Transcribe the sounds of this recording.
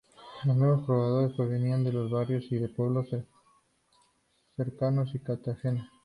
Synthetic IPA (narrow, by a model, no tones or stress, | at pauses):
loznweβo̞spɾoβaðo̞ɾe̞spɾoβe̞niand̪e̞lo̞zβaɾjo̞siðe̞pwe̞β̞lo̞s | se̞ɾkano̞sikaɾt̪axenas